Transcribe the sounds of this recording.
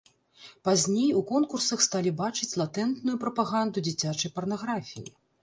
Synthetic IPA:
pazʲnʲejukɔnkursɐxst̪alʲibat͡ʂɨt͡sʲlˠat̪ɛnt̪nujupɾɐpaɣand̪ud͡zʲit͡sʲat͡ʂɐjpɐrnaɣɾafʲḭjḭ

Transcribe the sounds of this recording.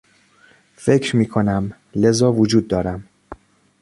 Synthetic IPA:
fe̞cʰɾmiːkʰo̞næm | le̞zɒːvod͡ʒuːd̪̚ːɒːɾæm

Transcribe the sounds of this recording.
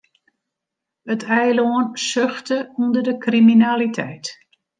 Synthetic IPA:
ətʰɛjloənsøxtəundərdəkriminaːlitʰɛjt

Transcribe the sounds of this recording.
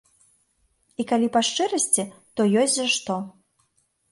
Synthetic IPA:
ikalʲipaʂt͡ʂɨɾɐsʲt͡sʲit̪ɔjɔsʲzaʂt̪ɔ

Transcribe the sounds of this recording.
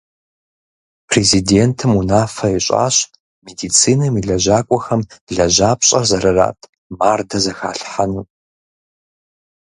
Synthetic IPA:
pʰrezideːntʰɨmunaːfɐiɕʼa̰ːɕ | medit͡sʰiːnɐmiɮɐʑaːkʷʼɔxɐmɮɐʒaːpɕʼɐrzɐɾɐra̰ːtʰʼ | maːrdɐzɐxa̰ːɬħanuː

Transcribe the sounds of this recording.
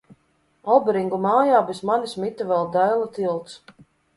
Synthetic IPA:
ɔlˠbɾiŋɡumaːjaːbesmanismit̪avɛlˠd̪æjlˠat̪ilˠt̪s

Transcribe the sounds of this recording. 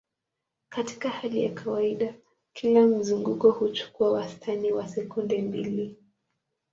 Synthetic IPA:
kati̥kahalija̰kʰawaiɗa | kʰilam̩zuŋɡukɔhut͡ʃu̥kuawastʰaniwasɛkundɛmbili

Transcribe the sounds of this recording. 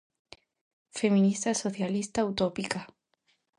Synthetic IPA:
femĩnist̪asoθjalist̪aut̪opika

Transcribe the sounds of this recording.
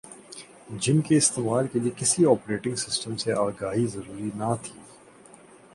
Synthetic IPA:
d͡ʒɪnkeɪst̪eːmaːlkeliekɪsiɔːpɾeːʈɪ̃ŋɡsɪsʈəmseaːɡaːɦizɐɾuːɾinat̪ʰiː

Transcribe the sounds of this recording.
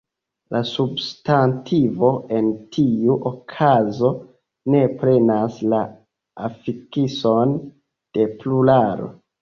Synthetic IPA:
lʔasubstantʰivo̞e̞ntʰiuʔokʰazo̞ | ne̞pɾe̞nasla | afikiso̞n | d̥e̞plulaɾo̰

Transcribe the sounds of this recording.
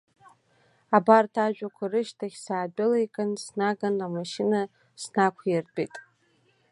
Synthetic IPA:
abartʰaʒᶣʷakʷʰarɨʃtʰaχʲsaːdʊlejkʼansnaɡanamaʃɪna | snakʷʰjɪrbʼejtʼ

